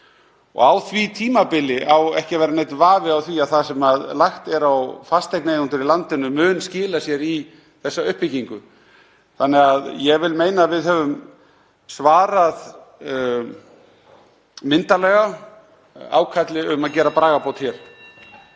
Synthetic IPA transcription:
ɔ̰ɣawθvit̪ʰiːmapɪlɪʔawɛhcɪvɛːɾanejt̪vaːvɪawθviaðθasɛmaðlajxt̪ɛɾawfast̪ejknejunt̪ʏɾilant̪ɪnʏmʏːnscɪːlasjɛɾi | θɛsːaʏhpɪciŋkʏ | θanːɛɣaðjɛɣvɪlmeːjnaːvɪðɦœvʏm | svaːɾað | mɪnt̪alɛɣa | a̰ːwkʰat̪lɪʏmaðcɛːɾapɾaːɣapʰowt̪çjɛɾ̥

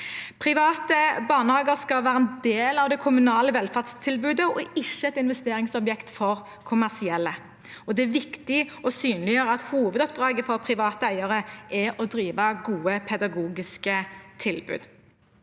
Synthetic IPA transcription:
pʰɾɪʋɑːt̪əbɑːnəhɑːɡəʁskɑlʋæːɾʁəɛnd̪eːlɑʋd̪ɛkʰʊmʉnɑːləʋɛlfæʁd̪st̪ʰɪlbʉːd̪əɔɪçːəɛt̪ɪnʋɛst̪eːɾɪŋsɔbjɛkt̪fɔʁ | kʰʊmæʁsɪɛlːə | ɔd̪ɛæʋɪkt̪ɪɔsyːnlɪjøːɾəɑt̪huːʋəd̪ɔp̚d̪ʁɑːɡəfɔʁpʰʁɪʋɑːt̪əæɪɑʁəʔɛɔd̪ɾiːʋɑɡuːəpʰɛd̪ɑɡuːɡɪskət̪ʰɪlbʉ̰ːd̪

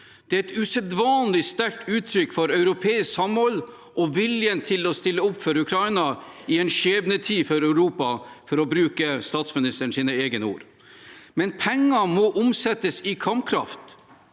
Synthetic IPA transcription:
d̪̥ɛæɾɛt̪ʉsɛd̪ʋɑːnlɪst̪æɾ̚ʈʉːt̪ʰɾʏkːfɔɾœʉɾʊpʰeːɪsksɑmhɔlː | ʔɔʋɪljənt̪ʰɪlɔst̪ɪlːəʊpfœɾʉkʰɾɑɪnɑ | ɪɛnʃeːbnət̪ʰiːfɔɾœʉɾuːpɑfɔɾɔbɾʉːkəst̪ɑːt̪smɪnɪst̪əɳ̩ʂsiːnəeːɡənəṵːɾ | mɛnpʰɛŋːɑmɔʔʊmsɛt̪ːəsɪkʰɑmpkʰɾɑ̰ft̪

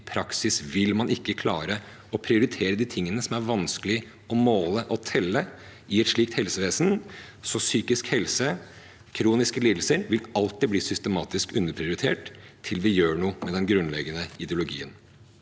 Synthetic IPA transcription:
pʰɾɑksɪsʋɪlmɑnɪkːəkʰlɑ̰ːɾə | ɔpʰɾɪʊɾɪt̪ʰeːɾəd̪iːt̪ʰɪŋːənəsɔmæɾʋɑnskəlɪ | ɔmoːləʔɔt̪ʰɛlːə | ʔɪɛt̪ʂɭiːk̚t̪hɛlsəʋeːsən̩sɔsyːkɪskhɛlsə | kʰɾuːnɪskəliːd̪l̩səɾʋɪlɑlt̪ːɪbliːsʏst̪əmɑːt̪ɪskʉnːəɾpʰɾɪʊɾɪt̪ʰḛːʈt̪ʰɪlʋɪjøːɳuːmɛd̪ɛnɡɾʉnlɛɡːənəɪd̪ɛʊlʊɡḭːən

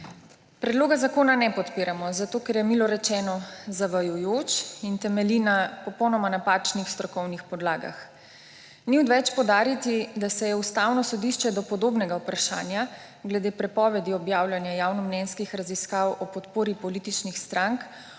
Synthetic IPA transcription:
pɾɛd̪loːɡazakoːnanɛpɔt̪piːɾamɔzat̪oːkɛɾjɛmilɔɾɛt͡ʃɛːnɔzaʋajujoːt͡ʃint̪ɛmɛlinapɔpɔwnɔmanapaːt͡ʃnixst̪ɾɔkɔwnixpɔd̪laːɡa̰x | niud̪ʋɛt͡ʃpɔwd̪aːɾit̪id̪asɛjɛust̪awnɔsɔd̪iʃt͡ʃɛd̪ɔpɔd̪oːbnɛɡaupɾaʃa̰ːnja | ɡlɛd̪eːpɾɛpɔːʋɛd̪iɔbjaːwlʲjanjajaːwnɔmnɛnskixɾaziskawɔpɔt̪poːɾipɔlit̪it͡ʃnixst̪ɾaŋk

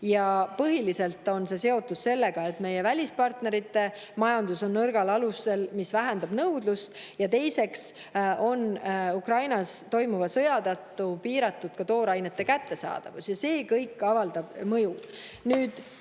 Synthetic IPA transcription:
jɑpɤɦilise̞lt̪ːˑo̞nse̞se̞o̞t̪ːˑusse̞lːe̞ɡ̥ɑe̞t̪ːˑme̞je̞vælʲispɑrt̪ne̞ɾit̪ːe̞ | mɑjɑnd̪̥uso̞nːɤrɡ̥ɑlɑluse̞lmisvæɦend̪̥ɑb̥nɤwd̪̥lust̪ | jɑt̪e̞jse̞ks | ʔo̞nukrɑjnɑst̪o̞jmuvɑsɤjɑd̪̥ɑt̪ːˑupiːɾɑt̪ːud̪̥̚kɑt̪o̞ːɾɑjne̞t̪ːe̞kæt̪ːe̞sɑ̰ːd̪̥ɑ̰vusjɑse̞ːkɤjkːˑɑvɑld̪̥ɑb̥mɤju | nyːd̪̥

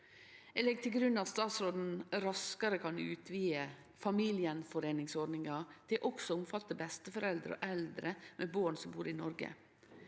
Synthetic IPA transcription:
ɛlɛɡ̚t̪ʰɪlɡɾʉnːɑt̪st̪ɑːt̪sɾoːd̪n̩ɾɑskɑɾəkʰɑnʉ̰ːt̪ʰʋiːə | fɑmiːlɪənfɔɾeːnɪŋsɔɖɳɪŋɑt̪ʰɪlʔɔksɔʊmfɑt̪əbɛst̪əfɔɾɛld̪ɾɔ̰ʔɛld̪ɾəmʔeːboːɳsɔmbuːɾinɔɾɡə̰

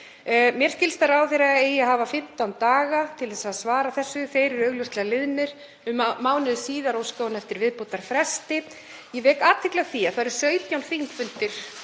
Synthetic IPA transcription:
mjɛɾ̥scɪlst̪aɾaːwθejɾaejɛɦaːvafɪm̥t̪awnt̪aːɣat̪ʰɪlθɛsaðsvaːɾaθɛsːʏθejɾɪɾœːɣlʏst̪lɛɣalɪðnɪɾ̥ | ʏmmaːwnɪðsiːðaɾowskoːwnɛft̪ɪɾvɪðpot̪aɾ̥fɾɛst̪ɪ | jɛvɛːkaːt̪ʰɪklaɣθiaθaɾ̥sœːɥt̪jawnfimfʏnt̪ɪɾ̥

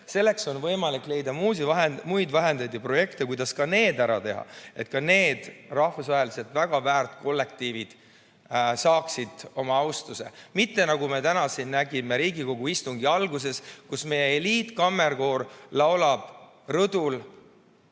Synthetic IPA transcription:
se̞lːe̞kso̞nvɤ̞jmɑlikːˑle̞jd̪ɑmuːsʲivɑɦemujd̪væɦend̪ɑt̪ːipro̞je̞kt̪e̞kujd̪̥ɑskɑne̞ːd̪æɾɑt̪e̞ɦɑ̰e̞t̪̚kɑne̞ːd̪̥rɑhvusvɑɦelise̞lt̪væɡ̥ɑvæːrt̪ko̞lːe̞k̚t̪iːvid̪̥ | sɑːksid̪̥o̞mɑɑwst̪use̞̰mit̪ːe̞nɑɡ̥ume̞t̪ænɑsinːnæɡime̞ɾiːɡiko̞ɡ̥uist̪uŋɡiɑlɡus̬e̞skusme̞je̞eliːt̪ˑkɑmːe̞rɡo̞ːrlɑwlɑb̥ | rɤd̪̥ul

